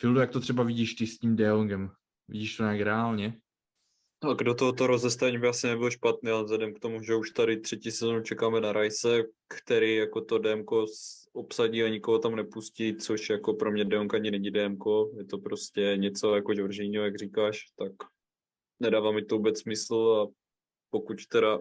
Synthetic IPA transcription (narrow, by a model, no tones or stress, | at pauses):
fɪldujakt̪ot̪r̝̥ɛbavɪɟiːʃt̪ɪscimdɛoŋɡɛm | vɪ̰ɟiːʃt̪oɲaːkɾɛaːlɲɛ | aɡdot̪oɦot̪oɾozɛst̪avɛɲibɪasɪnɛbɪlʃpat̪niːalɛvzlɛdɛmkt̪o̞muʒɛuʃt̪aɾɪt̪r̝̥ɛciːsɛzonut͡ʃɛkaːmɛnaɾʔajsɛkt̪ɛɾiːjako̞t̪odɛmko̞sʔopsaɟiːaɲɪkoɦot̪amnɛpuscit͡soʃjako̞pɾomɲɛdɛuŋkaɲɪnɛɲidɛmko̞jɛt̪o̞pɾo̞scɛɲɛt͡so̞jakoʒvrʒɛɲiɦojaɡr̝iːkaːʃt̪ak | nɛdaːvaːmɪt̪ovubɛt͡ssmɪsl̩a | pokuct̪ɛɾa